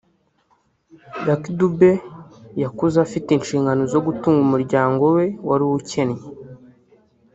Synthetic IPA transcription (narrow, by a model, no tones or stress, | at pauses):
jakidube̞jakuzafitinʃiːŋɡanozo̞ɡutuːŋɡumuɾɟaːŋɡo̞we̞waɾiwuce̞nɲe